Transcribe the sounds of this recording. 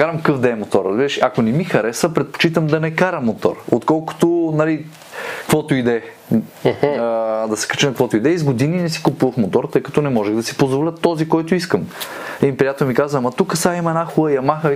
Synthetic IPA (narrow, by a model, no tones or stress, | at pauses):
kaɾɐmkkəfd̪ɛːmot̪ɔɾːɐzbiɾəʃɐkonɛmixɐɾɛsəpɾɛt̪̚po̥t͡ʃit̪əmd̪ɐnɛkaɾɐmːot̪ɔ̰ɾot̪kɔlˠkʊ̥t̪onɐli | kvɔt̪ʊid̪ɛ | d̪ɐsɛ̥kɐ̥t͡ʃɛnɐkvɔt̪ʊid̪ɛizɡod̪ininɛsi̥kupuvəfmot̪ɔɾt̪ɤjkɐ̥t̪ɔnɛmɔʒɛɣd̪ɐsi̥pozvolʲət̪ːɔzikɔjt̪oiskəmɛipɾijat̪ɛlmikazvɐamɐt̪ukəsaimɐɛnaxulˠəjɐmaxə